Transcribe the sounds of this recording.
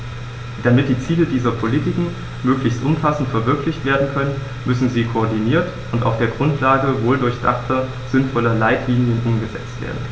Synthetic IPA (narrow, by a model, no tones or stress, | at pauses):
d̥amɪt̚d̥iːt͡siːlədiːzɐpʰoliːtɪkŋ̩ | møːklɪçstʔʊmfasn̩tfɛɐvɪɐklɪçtv̥eːɐdn̩kʰœnən | mʏsn̩ziːkʰoːɐdiniːɐt | ʔʊntaʊfd̥eːɐɡʁʊntʰlaːɡəvoːldʊɐçd̥a̰χtʰɐ | z̥ɪnfɔlɐlaɪtliːnjənʔʊmɡəzɛ̰t͡stv̥ḛːɐdn̩